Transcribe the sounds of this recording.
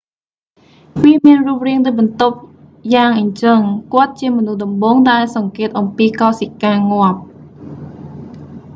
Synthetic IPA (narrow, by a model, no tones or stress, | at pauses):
ʋiəmiənruəp̚riəŋt̪əɓɑnt̪op̚ | jaːŋʔəɲt͡ɕəŋkŏət̪̚t͡ɕiəmɔnuhɗɑmɓoːŋɗaɛlsɑŋkeːt̪̚ʔɑmpiːkɑːsikaːŋŏəp̚